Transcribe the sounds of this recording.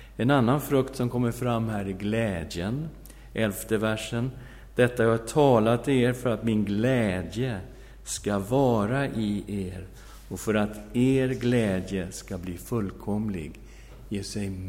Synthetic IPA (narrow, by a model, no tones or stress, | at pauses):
ɛnanːanfɾɵkt̪sɔmkʰɔmːəɾfɾamːɦæːɾɪɡlɛːd̪jən | ʔɛlft̪əvæʂːən | d̪̥ɛt̪ːajahaʈʰɑːlat̪ʰːeːɾfœɾat̪mɪnɡlɛːd̪jə | skavɑːɾaʔɪeːɾ | ɔfœɾat̪eːɾɡlɛːd̪jəskabliːfɵlːkʰɔmlɪ̰ɡ | jeːsɛjm